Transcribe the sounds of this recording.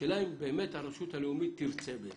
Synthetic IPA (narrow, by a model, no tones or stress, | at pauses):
ɛlaimbɛmɛt̪aɾɔʃut̪ʰaliumit̪ʰiɾt͡sʰɛbɛ